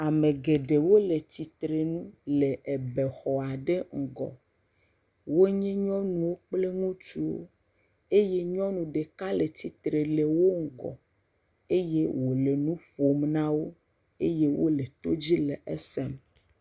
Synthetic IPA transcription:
a˨me˨ɡe˨ɖe˨wo˦le˨t̪i˨t̪ɾe˨nũ˦le˨ʔe˨be˨xɔ˨a˨ɖe˦ŋ̩˨ɡɔ̰˨ | wo˦ɲɛ̃˦ɲɔ̃˦nũ˨wo˦k͡ple˦ŋũ˦t͡ʃu˦wo̰˦ | e˦je˦ɲɔ̃˦nũ˨ɖe˨ka˦le˨t̪i˨t̪ɾe˨le˨wo˦ŋ̩˨ɡɔ̰˨ | e˦je˦wo˨le˨nũ˦ɸo˨mnã˦wo˦ | e˦je˦wʔo̰˦le˨t̪o̰˦d͡ʑi˦le˨ʔe˦sɛ˦m

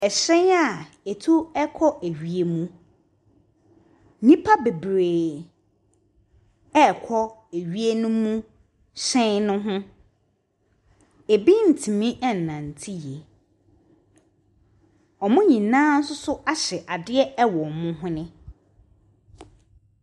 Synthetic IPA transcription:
ɛ˨ɕɛ̃˦a˨ | e˨tʰu˦ɛ˦kʰɔ˦ʔæ˨ɥi˨e˨mũ˦ | nĩ˦pʰa˦be˨bɾeː˨ | ɛ˦˨kʰɔ˦æ˨ɥi˦e˦nʊ̃˦mũ˦ | ɕɛ̃˦nʊ̃˦ɦʊ̃˦ | e˨bi˦n̩˨tʰĩ˨mĩ˦ʔɛ˦n̩˨nã˨n̩˨tʰi˦je˨ | ɔ˨mʊ̃˦ɲĩ˨nãː˦n̩˦sʊ˦sʊ˦ʔa˦ɕɛ˨ʔa˨dɪ˦ɛ˦ɛ˦wɔ˨mʊ̃˦ɦʊ̃˦nɪ̃˦

